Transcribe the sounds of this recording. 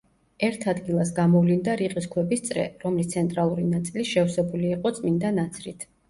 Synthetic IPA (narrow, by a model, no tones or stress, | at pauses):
ɛɾt̪ʰad̪ɡilˠasɡamɔvlind̪aɾiqʼiskʰwɛbist̪sʼɾɛ̰ɾɔmlist̪sʰɛnt̪ʼɾalˠuɾinat̪sʼiliʃɛfsɛbuliːqʼɔt̪sʼmind̪anat̪sʰɾit̪ʰ